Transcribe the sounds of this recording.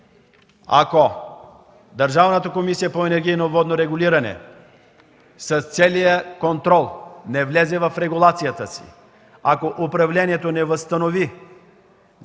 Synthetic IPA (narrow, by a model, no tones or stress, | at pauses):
a̰ko | d̪ɐɾʒavnət̪əkomisijəpoɛnɛɾɡʲijnovɔd̪noɾɛɡʊliɾɐnɛ̰ | sɐst̪sɛlijəkont̪ɾɔlˠnɛvlɛzɛvɐfɾɛɡulˠat̪sijət̪əsḭ | akoʔʊpɾɐvlʲɛniɛt̪onɛvəst̪ɐnovi